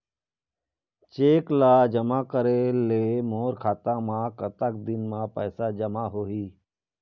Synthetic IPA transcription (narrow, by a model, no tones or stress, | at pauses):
t͡ʃeːklaːd͡ʒəmaːkəɾeleːmoːɾkʰaːt̪ãːmãːkət̪ək̚d̪ɪnmãpɛːsaːd͡ʒəmaɦoːɦiː